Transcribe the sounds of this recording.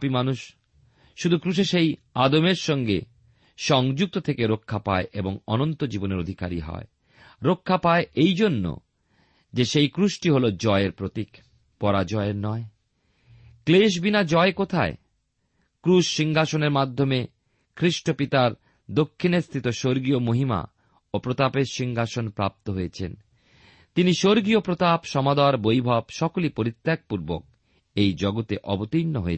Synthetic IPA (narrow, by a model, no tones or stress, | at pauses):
pimanuʃ | ʃud̪ʱukɾuʃ̬eʃej | ad̪omeɾʃɔŋɡḛ | ʃɔŋd͡ʑuk̚t̪ot̪ʰekeɾokʰːapa̰eʔeboŋɔnont̪od͡ʑiboneɾod̪ʱika̰ɾḭɦɔ̰e | ɾokʰːapaeʔejd͡ʑonːo̰ | d͡ʑeʃejkɾuʃʈiɦolod͡ʑɔeeɾpɾot̪ik | pɔɾad͡ʑɔeeɾnɔe | kleʃ̬binad͡ʑɔekot̪ʰa̰e | kɾuʃʃiŋɡʱaʃoneɾmad̪ʱːome | kʰɾiʃʈopit̪aɾ | d̪okʰːinest̪ʰit̪oʃoɾɡiomoɦima̰ | opɾot̪apeɾʃiŋɡʱaʃonpɾa̰p̚t̪oɦojet͡ɕʰen | t̪iniʃoɾɡiopɾot̪apʃɔmad̪aɾbojbʱɔbʃɔkolipoɾit̪ːek̚puɾbo̰k̚ | ejd͡ʑɔɡot̪eʔɔbot̪inːoɦoe